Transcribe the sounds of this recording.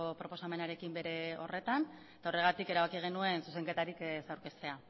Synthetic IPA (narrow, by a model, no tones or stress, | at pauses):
opɾo̞po̞same̞naɾe̞kimbe̞ɾe̞o̞̰re̞t̪anet̪ao̞re̞ɣ̞at̪ike̞ɾaβ̞akiɣ̞e̞nue̞nsuse̞ŋke̞t̪aɾiksawɾke̞st̪e̞a